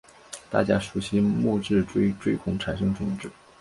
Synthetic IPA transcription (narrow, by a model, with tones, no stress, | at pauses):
t̪a̰˥˩t͡ɕja˥ʂu˧˥ɕi˥mɔ˥˧ʈ͡ʂɻ̩˥˩ʈ͡ʂwe˥ɪʈ͡ʂwe˥ɪkʰʊ˧˥ŋʈ͡ʂʰa˨˩nʂɤ˥ŋt͡sʰʊ˨˩ŋʈ͡ʂɻ̩˥˩